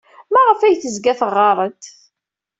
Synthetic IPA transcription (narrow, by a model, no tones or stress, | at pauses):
mæʁəfæjθəzɡæθəʁːɑɾˤənt̪